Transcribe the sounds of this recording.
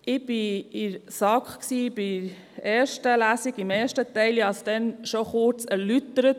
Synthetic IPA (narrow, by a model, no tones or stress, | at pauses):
ʔɪb̥ɪɪɾsɑkχksiːb̥i | ɛːɾʃtəlæːsiɡɪmɛːɾʃtət̪ɛɪljɑsd̥ɛnʃoχʊɾt͡sɛɾlytəɾət